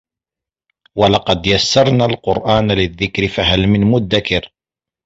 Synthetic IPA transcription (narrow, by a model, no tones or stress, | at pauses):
walɑqɑd̪jasːɑɾˤnalqʊɾʔaːnalɪðːɪkɾɪfaɦalmɪnmʊd̪ːakɪɾ